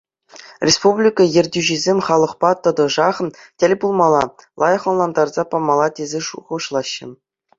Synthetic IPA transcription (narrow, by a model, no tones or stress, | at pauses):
rʲespublʲikɑjĕrʲdʲyʑizʲemʲχɑlˠɤ̆χpɑt̪ɤ̆d̪ɤ̆ʐɑχ̆tʲɘ̆lʲbulˠmɑlˠɑlˠɑjɤ̆χɤ̆nlˠɑnd̪ɑrzɑpɑmɑlˠɑtʲezʲeʂuʁɤʂlˠɑɕːɘ̆